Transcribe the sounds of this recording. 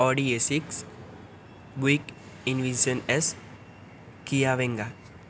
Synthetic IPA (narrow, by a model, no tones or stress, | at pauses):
ɔɖiesiks | ɡuik | inʋisənes | kijaʋẽŋɡa